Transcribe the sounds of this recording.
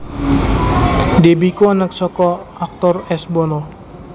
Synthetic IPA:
debikuanaksɔkɔak̚t̪ɔrɛsbɔnɔ

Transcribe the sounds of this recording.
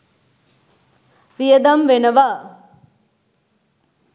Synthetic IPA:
ʋijəd̪ɐmʋenɐʋa

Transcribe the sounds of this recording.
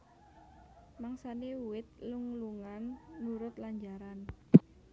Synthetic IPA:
maŋsaneuwɪt̪̚luŋluŋanːuɾʊt̪laɲd͡ʒaɾan

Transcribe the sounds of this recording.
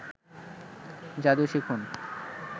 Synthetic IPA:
d͡ʑad̪uʃikʰun

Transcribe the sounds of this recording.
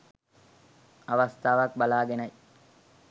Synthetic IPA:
aʋɐst̪ʰaːʋɐkbalaːɡenɐj

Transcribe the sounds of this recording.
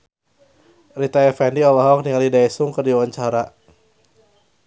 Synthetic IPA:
rit̪afɛndiɔlaɦɔk̚diŋalidajsuŋkədiawaɲt͡ʃaɾa

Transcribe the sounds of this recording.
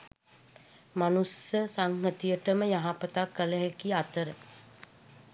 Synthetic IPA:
manusːəsaŋɦət̪ijəʈəməjaɦapət̪akːələɦekiat̪əɾə

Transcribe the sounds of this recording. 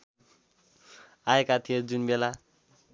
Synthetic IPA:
aekat̪ʰijod͡zunbela

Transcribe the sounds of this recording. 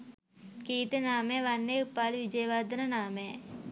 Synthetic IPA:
kiːt̪enaːmeʋanːeupːaːlʋid͡ʒɐjʋaːd̪ɐnɐnaːme

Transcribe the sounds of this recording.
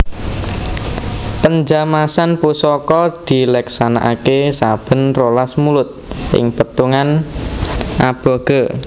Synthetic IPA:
pəɲd͡ʒamasanpusɔkɔd̪̥i̤lɛksana̰ʔakesab̥ə̤nrolasmulʊt̪̚ʔɪ̰ŋpət̪uŋan | ʔab̥ɔ̤ɡ̥ə

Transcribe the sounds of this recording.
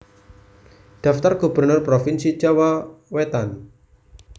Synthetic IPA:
d̥aft̪arɡ̥ubərnʊrpɾofinsi̥d͡ʒawawet̪an

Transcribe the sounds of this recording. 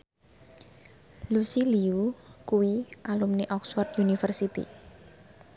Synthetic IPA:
lusiliukuwiʔalumniʔɔkswɔrd̪unifərsit̪ḭ

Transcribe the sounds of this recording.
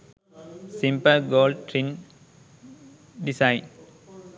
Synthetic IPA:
sɪ̃mpəɡoːlʈɾĩn | ɖɪsãɪ̃n

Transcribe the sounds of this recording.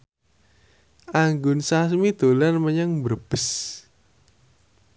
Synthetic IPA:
aŋɡʊnsas̬mid̪olarməɲaŋbərb̥əs

